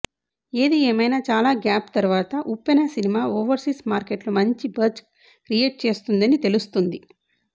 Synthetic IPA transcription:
eːd̪ieːmɐjnaːt͡ʃaːlaːɡjaːpt̪ɐɾʋaːt̪ɐʔupːɐnɐsinimaːoːʋɐɾsismaːɾkeʈlumɐɲt͡ʃibɐɾt͡ʃ | kɾijeːʈ̚t͡ʃe̞ːst̪und̪ɐnit̪e̞lust̪und̪i

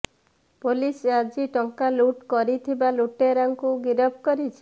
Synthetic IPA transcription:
polisead͡ʒiʈɔŋkaluʈkɔɾit̪ʰibaluʈeɾaŋkuɡiɾɔb̚ʱkɔɾit͡ʃʰi̥

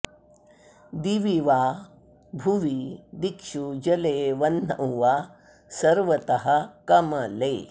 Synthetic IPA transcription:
d̪iʋiʋaː | bʱuʋid̪ikʂud͡ʒɐleːʋɐnnɐ̰wʋaː | sɐɾʋɐt̪ɐɦɐkɐmɐleː

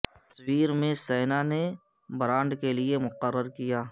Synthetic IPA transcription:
t̪ɐ̥swiːɾmẽseːnanebɾãːɳɖkeliemʊqəɾːəɾkijaː

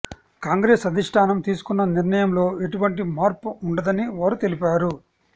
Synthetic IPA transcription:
kaːŋɡɾeːsɐd̪ʱiʂʈʰaːnɐmt̪iːsu̥kunːɐniɾnɐjɐmlo̞ːeʈuʋɐɳʈimaːɾpuuɳɖɐd̪ɐniʋaːɾut̪e̞lipaːɾu

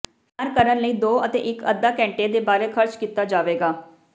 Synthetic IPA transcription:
əɾkəɾənləiːd̪oːət̪ḛːʔɪkə̰d̪ːaːkɛ̃ːɳʈeːd̪eːbaːɾeːkʰəɾt͡ʃkiːt̪aːd͡ʒaːʋeːɡaː

